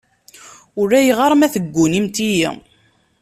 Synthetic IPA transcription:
ʊɾæjiʁɑɾˤmæθəɡʷːunimt̪ijḭ

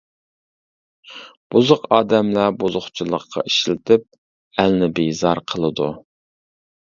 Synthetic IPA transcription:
b̥uzʊqɑːd̪ɛmlæbuzʊχt͡ʃʰilˠə̰qʰːɑ̰ʔiʃlɪt̪ʰɪp̚ | ælnɪbejzɑɾqʰəlˠɨd̪u

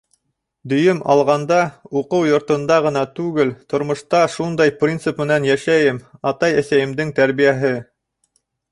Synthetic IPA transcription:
d̪ɵ̆jɵmʔɑlˠʁɑnd̪ɑuqɤwjŏɾt̪ɤ̆nd̪ɑʁɤ̆nɑt̪ʉɡɘlt̪ŏɾmŏʃt̪ɑʃund̪ɑjprʲint̪sɨpmɘ̆nænjæʃæjɘmɑt̪ɑjæ̆sæjɘ̆md̪ɘŋt̪æɾβijæɦɘ

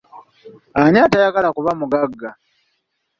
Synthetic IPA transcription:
aɲatajaɡalakuβamuɡaɡːa

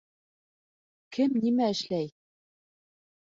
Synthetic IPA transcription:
kɘmnimæɘ̆ʃlæj

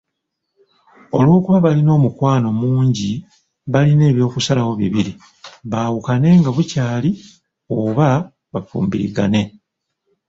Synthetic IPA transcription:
o̞lwo̞ːkuβaβalino̞ːmukwaːno̞muːɲɟi | βaline̞ːβjo̞ːkusalawo̞βiβiɾi | βaːwukane̞ŋɡaβucaːli | oːβa | βafṵːmbiɾḭɡane̞

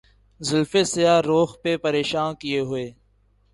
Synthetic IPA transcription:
zɪlfesɪjaːɾoːxpepəɾeːʃaːnkɪjeːɦʊeː

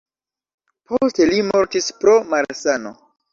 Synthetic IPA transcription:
poste̞limo̞ɾtispɾo̞maɾsano̰

